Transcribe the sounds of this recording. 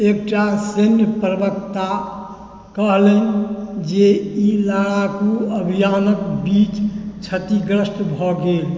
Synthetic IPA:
ekʈasenjəpɾəbəkt̪a | kəɦlend͡ʒeilaːɽakoəbʱijaːnəkbit͡ʃt͡ʃʰət̪iɡɾəsʈbʱɔɡeːl

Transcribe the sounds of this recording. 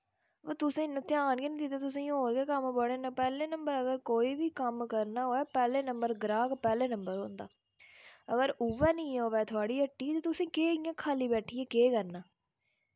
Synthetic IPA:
t̪ʊsẽːnə̃t̪jaːnkinĩːd̪ɪt̪aːt̪̬ʊsẽːɦoːɾɡeːkəmbəɽeːnãːpɛːleːnəmbəɾəɡəɾkoːiːʋiːkəmkəɾnaːɦoːɛːpɛːleːnəmbəɾɡɾaːɡpɛːleːnəmbəɾɦõːnd̪a̰ː | əɡəɾʊʋɛːnĩːoːʋɛːt̪ʰʊaːɽiːəʈːiːt̪ẽːt̪ʊsẽːkeːijãːkʰaːliːbɛːʈʰiːɛːkeːkəɾnaː

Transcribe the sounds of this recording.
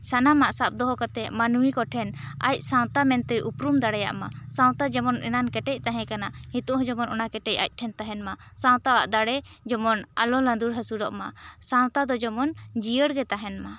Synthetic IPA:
sanamaʔsap̚d̪ɔɦɔkat̪ɛmanuwikɔʈʰɛna̰c̚ˀsãw̃t̪amɛnt̪ɛʔupɾumd̪aɽɛja̰ʔmasãw̃t̪ad͡ʒɛmɔnɛ̰nankɛʈɛc̚ˀt̪aɦɛ̃kanahit̪uʔɦɔ̃d͡ʒɔmɔnɔ̰nakɛʈɛca̰c̚ˀʈʰɛnt̪aɦɛnmasãw̃t̪awaʔd̪aɽɛd͡ʒɔmɔna̰lɔland̪uɾɦasuɾɔ̰ʔmasãw̃t̪ad̪ɔd͡ʒɔmɔnd͡ʒijəɽɡɛt̪aɦɛnma

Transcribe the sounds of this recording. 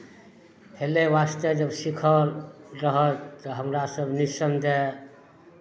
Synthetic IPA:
heleʋast̪əd͡ʒəbsikʰəɾɾəɦət̪ːɔɦəmɾasəbnisəmd̪ɛ

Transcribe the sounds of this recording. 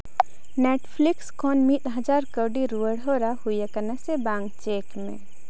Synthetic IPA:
nɛʈpʰlikskʰɔnmit̪̚ɦəd͡ʒaɾkəwɖiɾuəɽɦɔɾahujakənasɛbaŋɡt͡ʃekmɛ̰̃

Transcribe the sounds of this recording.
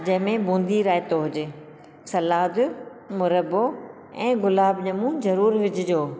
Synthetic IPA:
d͡ʑɐ̃ɦɪ̃mẽbũːnd̪iɾaːɪt̪oɦʊd͡ʑeː | sɐlaːd̪ | mʊɾəbo | ɛ̃ːɣʊlaːbɲəmũzɐɾuːɾʋɪd͡ʑɪd͡ʑoː

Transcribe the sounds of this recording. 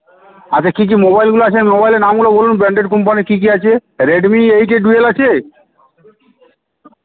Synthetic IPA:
at͡ɕʰakik̬imobajlɡuloat͡ɕʰemobajleɾnamɡulobolunbeɳɖeɖkomp̬anikik̬iat͡ɕʰeɾeɖmiejkeɖuelat͡ɕʰe

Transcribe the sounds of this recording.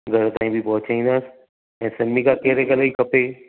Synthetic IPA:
ɡʱɐɾt̪aːĩbʱibɔːt̪̚t͡ʃʰaɦĩːd̪as | ɛ̃ːsɛmmikakeːɾekɐlaikɐpeː

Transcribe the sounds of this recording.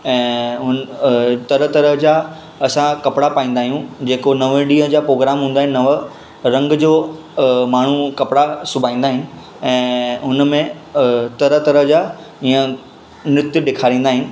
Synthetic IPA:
ɛ̃ːɦʊnt̪ɐɾət̪ɐɾəɦd͡ʑaː | ɐsãkɐpɪɽapaːĩnd̪aːɦijũd͡ʑeːkonɐʋəɗiːɦəɦə̃d͡ʑaːpɾoːɡɾaːmɦũːnd̪aːɦɪ̃nɪnɐʋə | ɾɐ̃ŋɡd͡ʑoː | maːɳ̤ukɐpɽasʊbʱaːĩːn̆d̪aːɦɪnɪ̆ | ɛ̃ːɦʊnmẽ | t̪ɐɾəɦt̪ɐɾəɦd͡ʑaː | iːə̃ | nɾɪt̪jʊɗɪːkʰaːɾĩːn̆d̪aːɦɪnɪ̆

